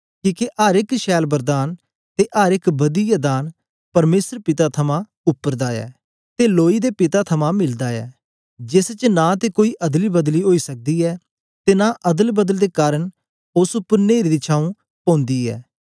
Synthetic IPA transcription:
kiːkeʔaːɾɪkʃɛːlbəɾd̪aːn | t̪eːʔaːɾɪkbəd̪iːjad̪aːn | pəɾmeːsəɾpɪt̪aːt̪ʰəmãː | ʊpːəɾd̪aːɛ̰ː | t̪eːloːiːd̪eːpɪt̪aːt̪ʰəmãːmɪld̪aːɛ̰ː | d͡ʒɪst͡ʃnãːt̪eːkoːiːʔɐd̪liːbəd̪liːɦoːiːsək̚d̪iːɛː | t̪eːnãːʔɐd̪əlbəd̪əld̪eːkaːɾəɳ | ʊsʊpːəɾneːɾd̪iːt͡ʃʰaːũː | pɔ̃ːnd̪iːɛ̰ː

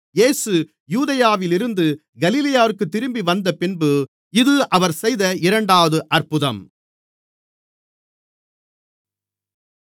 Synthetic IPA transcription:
jeːsɯ | juːðɐjaːʋɪlɪɾɯnd̪ɯ | ɡɐlilɐjaːɾɯkːɯt̪ːɪɾɯmbiʋɐnd̪ɐpɪnbɯ | ɪðɯʔɐʋɐɾsɛjðɐɪɾɐɳɖaːʋɐðɯʔɐrpɯðɐm

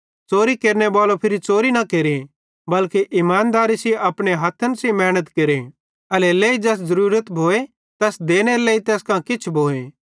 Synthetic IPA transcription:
t͡soːɾikeːɾnebaːlopʰɪɾit͡soːɾinɐkeːɾe | bɐlkeʔɪmaːnd̪aːɾisiɐpɽ̃eɦɐt̪ʰːənsimɛːɽ̃ət̪keːɾe | ɐleleːid͡ʒɛs̬zɐɾuːɾət̪bʱoːe | t̪ɛːsd̪eːñeleːit̪ɛːskãkɪt͡ʃʰbʱoːe

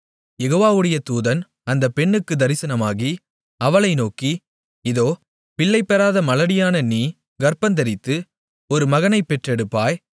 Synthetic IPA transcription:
jɛɣoːʋaːʋɯɽɐjɐt̪uːðɐn | ɐnd̪ɐpːɛɳːɯkːɯd̪ɐɾɪsɐnɐmaːɣi | ɐʋɐɭɐɪnoːki | ɪðoː | pɪɭːɐɪpːɐɾaːðɐmɐlɐɽɪjaːnɐniː | ɡɐɾpɐnd̪ɐɾɪt̪ːɯ | ɔɾɯmɐɣɐnɐɪpːɛʈrɛɽɯpːaːj

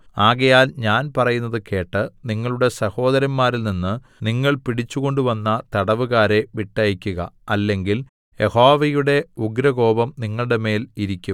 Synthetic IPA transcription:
aːɣɐjaːlɲaːnpɐrɐjunːɐðɨke̞ːʈːɨniŋːɐɭuɽe̞sɐho̞ːd̪ɐɾɐmmaːɾilninːɨ | niŋːɐɭpiɽit͡ɕːuɣo̞ɳɖuʋɐnːɐt̪ɐɽɐʋuɣaːɾe̞ʋiʈːɐjikʲːuɣɐ̰ɐlːe̞ŋɡil | je̞ho̞ːʋɐjuɽe̞uɡɾɐɣo̞ːbɐmniŋːɐɭuɽe̞me̞ːliɾikʲːum

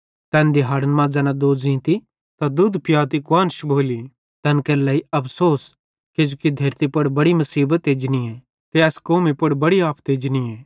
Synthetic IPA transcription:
t̪ɛ̃ːnd̪iɦaːɾənmãd͡zɐːnad̪oːd͡zĩːt̪i | t̪ad̪ʊd̪pjaːt̪ikwaːnʃbʱoːli | t̪ɛnkɐɾlɛːiɐpʰsoːs | ked͡ʒokid̪ʱɐɾt̪ipɐɽbɐɽimɐsiːbət̪eːd͡ʒniɛː | t̪eɛːskoːmipʊɽbɐɽiaːpʰt̪eːd͡ʒniɛː

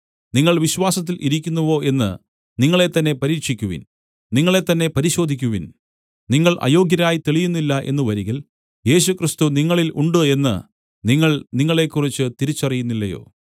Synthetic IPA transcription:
niŋːɐɭʋiɕʋaːsɐt̪̬ːilʔiɾikʲːunːuʋo̞ːʔe̞nːɨ̰ | niŋːɐɭe̞t̪ːɐnːe̞pɐɾiːkʂikʲːuʋḭn | niŋːɐɭe̞t̪ːɐnːe̞pɐɾiɕo̞ːd̪ʱikʲːuʋin | niŋːɐɭʔɐ̰jo̞ːɡjɐɾaːjit̪eɭijunːilːɐʔe̞̰nːuʋɐɾiɣil | je̞ːɕukrist̪uniŋːɐɭilʔuɳɖɨe̞nːɨ̰ | niŋːɐɭniŋːɐɭe̞kːurit͡ɕːɨt̪iɾit͡ɕːɐrijunːilːɐjo̞̰ː

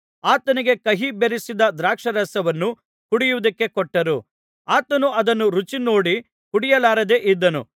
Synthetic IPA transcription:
aːt̪ɐniɡe̞kɐɦibeɾisid̪ɐd̪ɾaːkʂɐɾɐsɐʋɐnːu | kuɽijuʋud̪ɐkːe̞kɔʈːɐɾu | aːt̪ɐnuɐd̪ɐnːuɾut͡ʃino̞ːɽi | kuɽijɐlaːɾɐd̪e̞ʔid̪ːɐnṵ

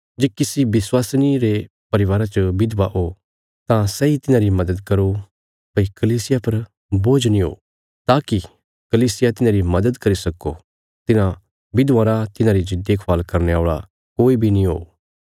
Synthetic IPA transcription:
d͡ʒeːkɪsibɪswaːsniɾe | pɐɾɪʋaːɾat͡ʃəbɪd̪baɦo | t̪ãsɛit̪ɪnãɾimɐd̪əd̪kɐɾo | pɐikɐliːsɪjapɐɾ | boːd͡ʒnĩɦo̰ː | t̪aːki | kɐliːsɪjat̪ɪnãɾimɐd̪əd̪kɐɾisɐkːo̰ | t̪ɪnã | bɪd̪ʋãːɾat̪ɪnãɾid͡ʒɪd̪eːkʰʋaːlkɐɾneaːɭa̰ | koːibʱinĩɦo̰ː

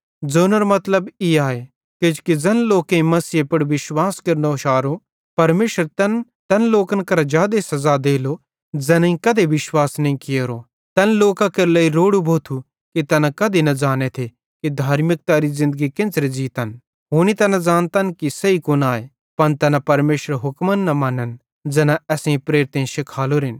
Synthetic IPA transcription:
d͡zoːnəɾomɐt̪ləbiaːe | kɪd͡ʒkid͡zɐnloːkẽĩmɐsiepɐɽʋɪʃwaːskɐɾnoʃaːɾo | pɐɾmeːʃəɾt̪ɐn | t̪ɐnloːkənkɐɾad͡ʒjaːd̪esɐzad̪eːlo | d͡zɐnĩkɐd̪ʱeʋɪʃwaːsnɐĩkɪjeɾo | t̪ɐnloːkakeɾleiɾoːɽubʱoːt̪ʰu | kit̪ɐnãkɐd̪ʱinɐd͡ʒaːnet̪ʰe | kid̪ʱaːɾmɪk̚t̪aɾizɪ̃nd̪əɡikɪ̃nt͡ʃɾed͡ʒiːt̪ən | ɦoːnit̪ɐnãd͡zaːnt̪ɐnkisɐikoːnaːe | pɐnt̪ɐnãpɐɾmeːʃəɾɦʊkmənːɐmɐnən | d͡ʒɛːnaɛːsẽĩpɾeːɾɪt̪ẽʃɪkʰaːloɾɪn

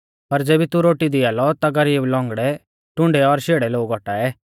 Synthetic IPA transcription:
pɐɾd͡zeːbit̪uɾoːʈid̪ɪaːlɔt̪aɡɐɾiːblɔ̃ːŋɡɽɛ | ʈʊ̃ɳɖɛɔɾʃeːɽɛloːɡɔʈaɛː

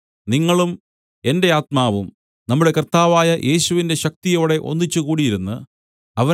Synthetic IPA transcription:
niŋːɐɭum | e̞nde̞aːt̪maːʋum | nɐmːuɽe̞kɐrt̪aːʋaːjɐʔe̞ːɕuʋinde̞ɕɐk̚t̪ijo̞ːɽe̞ʔo̞̰nːit͡ɕːukuːɽijiɾunːu | ɐʋɐ

